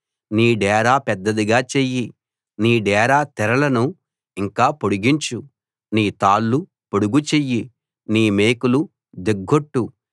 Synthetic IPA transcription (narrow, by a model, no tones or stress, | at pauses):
niːɖɛːɾaːpɛd̪ːɐd̪iɡaːt͡ʃeji | niːɖɛːɾaːt̪ɛɾɐlɐnu | iŋkaːpoɽuɡiɲt͡ʃu | niːt̪aːlːu | poɽuɡut͡ʃejːi | niːmeːkulu | d̪eɡːo̞ʈːu